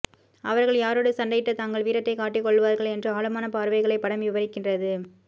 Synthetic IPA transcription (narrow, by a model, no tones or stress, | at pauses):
ʔɐʋɐɾɣɐɭjaːɾoːɽɐsɐnɖɐjʈːɐt̪aːŋɡɐɭʋiːɾɐt̪ːɐɪkaːʈːɪkːɔɭːɯʋaːɾɣɐɭɛndrɯaːɭɯmaːnɐpaːɾʋɐɪɣɐɭɐɪpːɐɽɐmʋɪʋɐɾɪkːɪndrɐðɯ